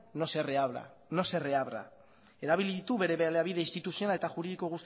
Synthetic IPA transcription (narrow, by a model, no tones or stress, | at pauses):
no̞se̞reaβɾa̰ | no̞se̞re̞aβɾa̰ | e̞ɾaβ̞iliðit̪uβe̞ɾe̞βeleaβiðe̞ist̪it̪usio̞naet̪aʝuɾiðiko̞ɣ̞ust̪